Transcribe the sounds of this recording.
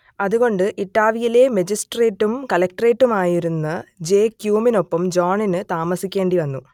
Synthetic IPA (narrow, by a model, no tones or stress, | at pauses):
ɐðuɣo̞ɳɖɨʔiʈːaːʋijile̞mɐd͡ʑisʈre̞ːʈːumkɐlɐk̚ʈre̞ːʈːumaːjiɾunːɐd͡ʑeːkjuːmino̞pːɐmd͡ʑoːɳinɨt̪aːmɐsikʲːe̞ːɳɖiʋɐnːu